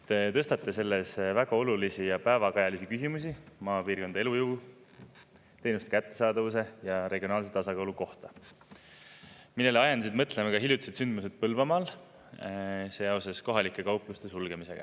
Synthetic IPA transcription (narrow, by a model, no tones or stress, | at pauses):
t̪e̞t̪ɤ̞st̪ɑt̪ːˑe̞se̞lːe̞svæɡ̥ɑo̞lulisijɑpæevɑkɑjɑlisikysimusimɑːpiːrko̞nd̪ɑe̞luju | t̪e̞jnust̪e̥kæt̪ːe̞sɑːd̪̥ɑvuse̞jɑɾe̞ɡ̥io̞nɑːlset̪ɑsɑkɑwluko̞ht̪ɑ | milːe̞leɑjɑnd̪ɑs̬id̪mɤt̪ːˑlemekɑɦiljut̪i̥set̪synd̪mused̪̥̚pɤlvɑmɑːl | seːjɑwsesko̞ɦɑlikːˑe̞kɑwpːˑlust̪e̞sulɡ̥e̞mise̞̰ɡ̥ɑ̰